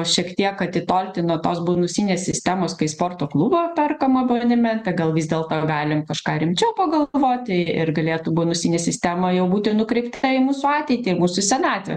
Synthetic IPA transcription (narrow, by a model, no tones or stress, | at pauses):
ʃʲiɛkt̪ʲiɛkɐt̪ʲɪt̪oːlʲt̪ʲɪnuɔt̪oːsboːnʊsʲiːnʲeːsʲsʲɪsʲt̪ʲæːmoːskɐɪspoːrt̪oːklˠuːboːpʲɛrkɐmɐboːnʲɪmʲɛt̪ɐɡɐlˠʋʲiːzʲd̪ʲeːlˠt̪oːɡɑːlʲɪmkɐʃkɑːɾʲɪmʲt͡ʃʲɛʊpɐɡɐlˠʋoːt̪ʲɪɪrɡɐlʲeːt̪ʊboːnʊsʲiːnʲɛsʲɪsʲt̪ʲæmɐjɛʊbuːt̪ʲɪnʊkɾʲɛɪpt̪ɐɪmuːsʊɑːt̪ʲɛɪt̪ʲɪːɪmuːsʊsʲɛnɑːt̪ʲʋʲɛ̰